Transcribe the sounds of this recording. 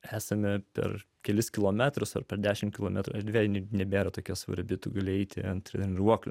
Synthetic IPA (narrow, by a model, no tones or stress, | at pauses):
æːsɐmʲɪpʲɛ̰r | kʲɛlʲɪskʲɪlˠoːmʲæt̪ɾʊsɐ̰rpʲɛɾd̪ʲæːʃʲɪmkʲɪlˠoːmʲæt̪ɾʊɐɾʲd̪ʲʋʲeːjʲnʲɛbʲeːɾɐt̪oːkʲuɔsʋɐ̰ɾʲbʲɪt̪ʊɡɐlʲɪɛɪt̪ʲɪ̰ɐnt̪ʲɾɪnɾuɔklʲʊ̰